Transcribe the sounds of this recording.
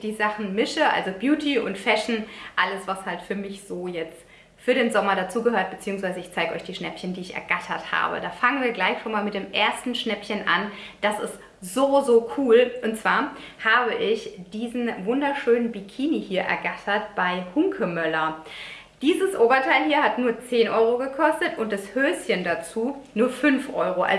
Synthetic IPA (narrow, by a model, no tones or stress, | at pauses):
d̥iːzaχn̩mɪʃəʔa̰lzobjuːtʰiʔʊ̰ntfɛʃn̩ʔaləsv̥ashaltfyːɐmɪçz̥oːjɛt͡st | fyːɐɾeːnzɔmɐɾat͡suːɡəhøːɐt̚b̥ət͡siːʊŋsv̥aɪzəɪçt͡saɪɡəʔɔ̰ʏçd̥iːʃnɛpçəndiːɪçɛ̰ɐɡatʰɐtha̰ːbə̰daːfaŋənviːɐɡlaɪçʃoːnmaːlmɪt̚d̥eːmʔeːɐstn̩ʃnɛpçənʔa̰nd̥asɪ̰st | z̥oːzoːkʰuːlʔʊntt͡sv̥aːɐ | haːbəʔɪçd̥iːzn̩vʊndɐʃøːnənbikʰiːnihiːɐʔɛ̰ɐɡatʰɐtb̥aɪhʊŋkʰəmœlɐ | d̥iːzəsʔoːbɐtʰaɪlhiːɐatnuːɐt͡seːnʔɔʏʁ̞oɡəkʰɔstətʊnt̚d̥ashøːsçəndat͡suːnuːɐfʏnfʔɔʏʁ̞oʔa̰